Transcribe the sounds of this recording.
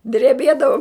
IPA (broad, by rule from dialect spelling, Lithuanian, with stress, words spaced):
dʲrʲɛˈbʲiɛdɐʋɐʊ